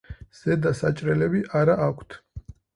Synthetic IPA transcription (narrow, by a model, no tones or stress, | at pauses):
z̥ɛd̪asat͡ʃʼɾɛlɛbiʔaɾaʔakʷʰt̪ʰ